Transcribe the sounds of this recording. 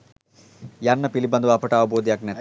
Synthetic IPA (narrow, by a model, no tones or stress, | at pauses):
jɐɾnɐpilibɐnd̪uʋɐpɐʈaːʋɐboːd̪jaknet̪